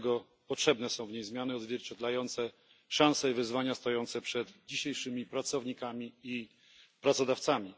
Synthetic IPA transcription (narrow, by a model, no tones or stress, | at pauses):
ɡɔ | pɔtʂɛbnɛsɔ̃w̃vɲejzmʲjanɘɔd̪zvʲjɛɾt͡ɕɛd̪lajɔnt̪sɛ | ʂãw̃sɛivɘzvaɲast̪ɔjɔnt̪sɛpʂɛd̪d͡ʑiɕejʂɘmʲipɾat̪sɔvɲikamʲii | pɾat̪sɔd̪aft̪samʲi